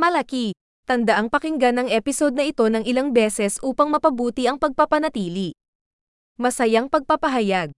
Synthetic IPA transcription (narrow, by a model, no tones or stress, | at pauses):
mɐlɐki | t̪ɐnd̪ɐʔaŋpɐkɪŋɡanɐŋʔɛpɪso̞d̪̚nɐʔɪt̪o̞nɐŋɪlaŋbɛːsɛsʔuːpɐŋmɐpɐbuːt̪iʔɐŋpɐɡ̚pɐpɐnɐt̪iːli | mɐsɐjaŋpɐɡ̚pɐpɐɦɐjaɡ̚